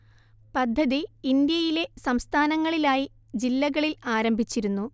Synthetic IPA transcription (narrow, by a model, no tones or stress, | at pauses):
pɐd̪ʱːɐðiːnd̪jɐjile̞sɐmst̪ʰaːnɐŋːɐɭilaːji | d͡ʑilːɐɣɐɭilaːɾɐmbʱit͡ɕːiɾunːu